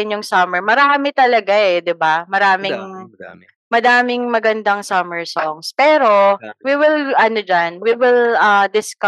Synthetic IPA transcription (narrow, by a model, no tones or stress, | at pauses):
ɪnjʊŋsɐmɛɹmɐɾaːmɪt̪ɐlɐɡaʔɛd̪ɪbamɐɾaːmɪŋ | mɐd̪aːmɪŋmɐɡɐnd̪ɐŋsɐmɛɹsɔŋspɛːɾo̞wiwɪlʔɐnod͡ʒanwiwɪlʔɐd̪ɪskɐ